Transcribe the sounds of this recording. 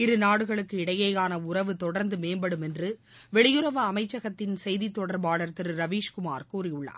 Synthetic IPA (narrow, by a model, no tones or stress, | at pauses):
ɪɾɯnaːɽɯɣɐɭɯkːɯɪɽɐjɐɪjaːnɐʊrɐʋɯt̪ɔɽɐɾnd̪ɯmeːnbɐɽɯmɛndrɯ | ʋɛɭɪjɯɾɐʋɐɐmɐɪt͡ʃːɐɣɐt̪ːɪnsɛjðit̪ːɔɽɐɾbaːɭɐɾt̪ɪɾɯɾɐʋiːʂkʊma̰ːɾkuːɾɪjɯɭːɐ̰